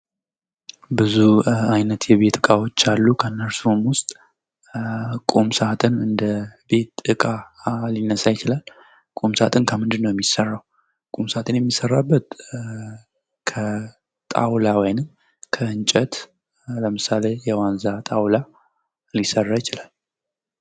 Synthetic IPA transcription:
bɨzuajnət̪jɛβe̞t̪ɨkʼawo̞t͡ʃːalːukʰənːəɾsumwʊst̪ʼ | kʼumsat̪ʼɨnɨnd̪əbe̞t̪ɨkʼalinːəsajɪt͡ʃɪlal | kʼomsat̪ʰʼɨnkʰəmɨnd̪ɨnːəwjɛmːisərːaw | kʼomsat̪ʰʼɨnjɛmːisːərːabːət̪̚ | kʰə | t̪ʼa̰wlawɔjnɨm | kʰəɨnt͡ʃʼət̪ | ləmɨsalejɛwanzat̪ʼawla | lisərːajɪt͡ʃɪlal

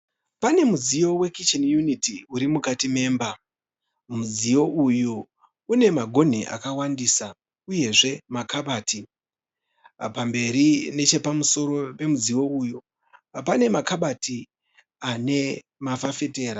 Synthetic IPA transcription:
pane̞muzijo̞we̞kit͡ʃenjunitiuɾimukatime̞ːmba | muzijo̞ʔujuː | ne̞maɡʱo̞n̤iʔa̰kawandiːsa | uje̞ʐe̞makaɓaːti | pambe̞ɾine̞t͡ʃe̞pamuso̞ɾo̞pe̞muzijo̞uju | pane̞makaɓati | ane̞ | mafafe̞te̞ːɾa

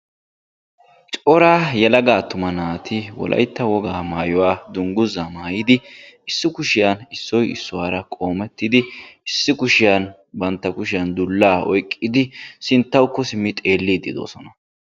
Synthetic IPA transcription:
t͡ʃʼɔɾaːjɛlɐɡaːt̪ʊmɐnaːt̪ɪwɔ̰lʔɐ̰jt̪ːɐwɔɡaːmaːjɔwaːd̪ʊŋɡʊzɐmaːjɪd̪ɪɪsːɪkʊʃɪjɐnɪsːɔjɪ̰sːʊwaːɾɐkʼo̞ːmɛt̪ːɪd̪ɪɪsːɪkʊʃɪjan | bɐnt̪ːɐkʊʃɪjɐnd̪ʊlːaːɔ̰jkʼːɪd̪ɪsɪnt̪ːɐwkːɔsɪmːɪt̪ʼe̞ːlːid̪ːɪd̪o̰ːsɔnɐ

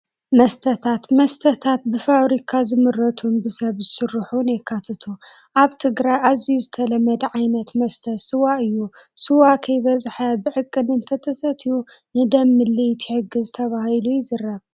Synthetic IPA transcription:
mɐst̪ʰɐt̪ʰat̪mɐst̪ʰɐt̪ʰat̪̚bɨfaβɾikʰazɨmɨɾːɐt̪ʰumbɨsɐβzɨsɨrːɨħunjɛkʰːat̪ʰɐt̪ʰu | ʔaβt̪ʰɨɡɾajʔazijuzɨt̪ʰɐlɐmːɐd̪ʕajnɐt̪mɐst̪ʰɐtsɨwaʔɨjːusɨwakʰɐjβɐzħɐbɨʕɨkʼːɨnɨnt̪ʰɐt̪ʰɐsɐt̪ʰijunɨd̪ɐmːɨlːit̪ʰi̥ħɨɡɨzɨt̪ʰɐβahilujɪzɨrːɐβ

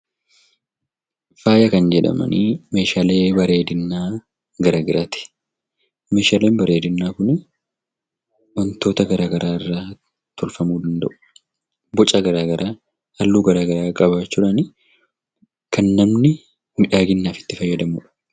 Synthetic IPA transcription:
faːjɐkɐnd͡ʒɛᶑɐ̰mɐ̰niːme̞ːʃaːle̞ːbɐɾe̞ːd̪ɪnːaː | ɡɐɾaːɡɪɾaːt̪ɪ̥ | me̞ːʃaːle̞ːnbɐɾe̞ːd̪ɪnːaːkʊnɪ | wɐnt̪o̞ːt̪ɐɡɐɾaːɡɐɾʔaːɪrːaː | t̪ʰɔlfɐmuːd̪ɐnd̪ɐ̰ʔʊ̥ | bɔt͡ʃʼɐɡɐɾaːɡɐɾʔaː | ɐlːuːɡɐɾaːɡɐɾaːkʼɐbaːt͡ʃːʊᶑɐnɪ | kɐnːɐmnɪ | mɪᶑaːɡɪnːaːfɪ̥t̪ːɪfɐjːɐd̪ɐmuːᶑɐ̥

